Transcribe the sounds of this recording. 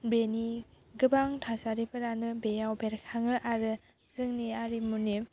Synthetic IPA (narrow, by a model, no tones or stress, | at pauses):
beni | ɡɯbaŋtʰasaɾipʰɯɾanɯbejawbeɾkʰaŋɯʔaɾɯ | zɯŋniaɾimuni